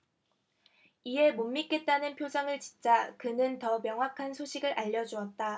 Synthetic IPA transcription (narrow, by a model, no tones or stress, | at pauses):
ie̞momːik͈e̞t̚t͈anɯnpʰjod͡ʑaŋɯɭt͡ɕi̥nt͡ɕ͈akɯnɯntʌmjʌŋɦwakʰansʰoɕʰiɡɯɾʔaʎːʌd͡ʑuʌt̚t͈a